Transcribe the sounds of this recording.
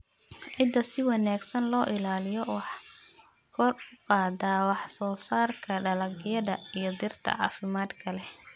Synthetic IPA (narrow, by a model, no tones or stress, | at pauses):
ʕɪd̪ːɐsɪwɑnaːɡsɐnlɔːʔɪlaːlɪjɔwɑħ | kʰɔrʊqɑːd̪aːwɑħsɔːsaːrkʰɐɖɐlɐɡɪjɐðɐijɞd̪ɪrt̪ʰɐ̰ʕɑ̰ːfɪmaːd̪kʰɐlɛ